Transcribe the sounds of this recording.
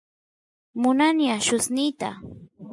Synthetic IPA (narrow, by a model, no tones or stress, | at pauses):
mʊnanjaʃʊsnijt̪a̰